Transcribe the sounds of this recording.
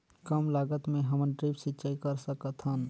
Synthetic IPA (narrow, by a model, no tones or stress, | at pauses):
kəmlaɡət̪meɦəmənʈɾipsitːt͡ʃaikəɾsəkət̪ʰɦən